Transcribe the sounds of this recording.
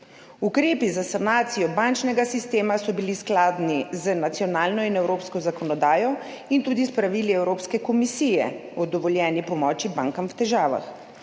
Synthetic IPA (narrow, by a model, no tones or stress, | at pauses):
ukɾeːpizasanaːt̪sijɔbant͡ʃnɛɡasist̪eːmasɔbilisklaːd̪nizənat̪sijɔnaːlnɔinɛwɾoːpskɔzakɔnɔd̪aːjɔ | int̪uːd̪ispɾaʋiːliɛwɾoːpskɛkɔmisiːjɛ̰ɔd̪ɔʋɔljɛːnipɔmɔːt͡ʃibaŋkamwt̪ɛʒaːʋa̰x